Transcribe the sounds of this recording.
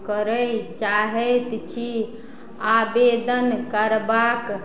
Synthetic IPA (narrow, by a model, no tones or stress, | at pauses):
kəɾəjt͡ʃaɦɛt̪t͡ʃʰi | abed̪ənkəɾbak